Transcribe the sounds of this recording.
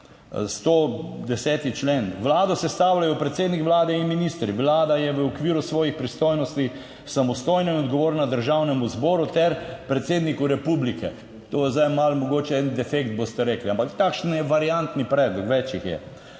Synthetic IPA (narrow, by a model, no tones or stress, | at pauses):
st̪od̪ɛsɛːt̪it͡ʃleːnʋlaːd̪ɔsɛst̪awlajɔpɾɛt̪seːd̪nikʋlaːd̪ɛinminist̪ɾiʋlaːd̪ajɛʋəɔkʋiːɾusʋɔːjixpɾist̪oːjnɔst̪i | samɔst̪oːjnɔnɔd̪ɡɔʋoːɾnad̪əɾʒawnɛmuzboːɾut̪ɛɾpɾɛt̪seːd̪nikuɾɛpublikɛ | t̪oːjɛzd̪ajmalmɔɡoːt͡ʃɛɛnd̪ɛfekt̪̚bost̪ɛɾeːkliampakt̪akʃnjɛʋaɾiant̪nipɾɛːd̪lɔkʋɛt͡ʃixjɛ̰